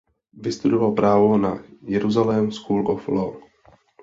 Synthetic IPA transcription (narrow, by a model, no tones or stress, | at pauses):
vɪst̪udovalpɾaːvonajɛɾuzalɛmskuːlʔofloː